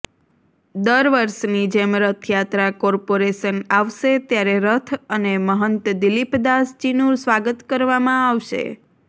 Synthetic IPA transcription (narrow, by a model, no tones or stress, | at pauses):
d̪əɾʋəɾʃnid͡ʒemɾət̪ʰjat̪ɾakɔɾpoɾeʃənaʋʃet̪jaɾeɾət̪ʰəneməɦənt̪d̪ilipd̪ast͡ʃinuɾsʋaɡət̪kəɾʋamãaʋʃḛ